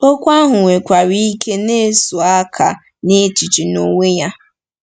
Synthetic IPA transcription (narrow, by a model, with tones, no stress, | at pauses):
o˦kʷa˦ɦʊ˨ŋʷe˨kʷa˨ɾi˦i˦ke˦ne˦sʊ˨a˦kʰa˨ | ne˦t͡ʃi˨t͡ʃi˨no˦ŋʷe˦ja˦